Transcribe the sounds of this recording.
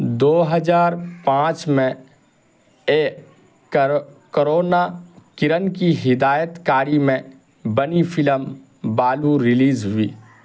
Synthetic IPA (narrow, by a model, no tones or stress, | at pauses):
d̪oːɦəzaːɾpãːt͡ʃmẽ | eː | koɾoːnakɪɾənkiɦɪd̪aːjət̪kaːɾimẽ | bənifʰɪləm | baːluɾɪliːzɦʊiː